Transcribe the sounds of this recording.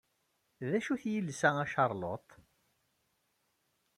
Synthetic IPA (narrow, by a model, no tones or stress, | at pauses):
ðæʃuθjəlsææʃɑɾˤlo̰t̪ˤ